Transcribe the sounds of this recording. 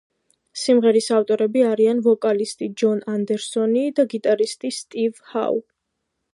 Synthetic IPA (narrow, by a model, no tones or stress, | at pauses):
simʁɛɾisaft̪ʼɔɾɛbiaɾianvɔkʼalist̪ʼid͡ʒɔnand̪ɛɾsɔnid̪aɡit̪ʼaɾist̪ʼist̪ʼivha̰w